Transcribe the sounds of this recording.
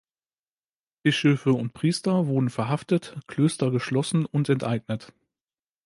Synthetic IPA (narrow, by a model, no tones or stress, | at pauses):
b̥ɪʃøːfəʊnt̚pʁ̥iːstɐvʊɐdn̩fɛɐɦaftətkl̥øːstɐɡəʃlɔsn̩ʊntɛntʔaɪɡnət